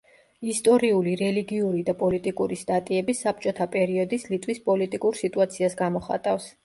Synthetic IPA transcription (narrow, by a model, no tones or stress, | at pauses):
ist̪ʼɔɾiuliɾɛliɡiuɾid̪apʼɔlit̪ʼikʼuɾist̪ʼat̪ʼiɛbisːap̚t͡ʃʼɔt̪ʰapʼɛɾiɔd̪islit̪ʼwispʼɔlit̪ʼikʼuɾsit̪ʼuat̪sʰiasɡamɔχa̰t̪ʼafs